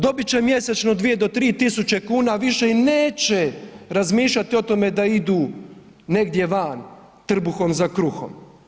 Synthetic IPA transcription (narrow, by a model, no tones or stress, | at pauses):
d̪o̞bit͡ɕe̞mje̞set͡ʃnod̪ʋije̞d̪o̞t̪ɾiːt̪isut͡ɕe̞kuːnaʋiʃeineːt͡ɕeɾazmiːʃʎʲat̪io̞t̪o̞me̞d̪aid̪uː | ne̞ɡd̪je̞ʋan | t̪r̩buxo̞mzakɾuxo̞̰m